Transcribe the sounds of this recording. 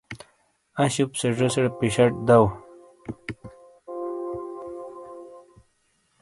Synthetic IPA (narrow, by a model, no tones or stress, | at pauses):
ɐɕupseʐɐseɽpiɕɐʈ̚d̪aw